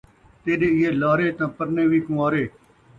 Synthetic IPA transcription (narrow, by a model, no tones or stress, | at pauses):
t̪eːɗeːɪeːlaːɾeːt̪ãːpəɾnẽːʋiːkũːaːɾeː